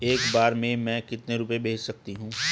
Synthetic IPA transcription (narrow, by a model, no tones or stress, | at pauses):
eːkbaːɾmẽmɛ̃ːkɪt̪neɾupebʱeːd͡ʒsɐk̚t̪iɦũː